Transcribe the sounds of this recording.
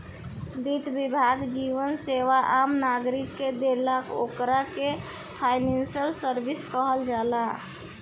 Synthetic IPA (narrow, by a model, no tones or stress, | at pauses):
d̪it̪bibʱaɡd͡ʒiʋənseʋaʔamnaɡɾikːed̪elako̰kɾake | pʰajnensəlsəɾbiskəɦəld͡ʒala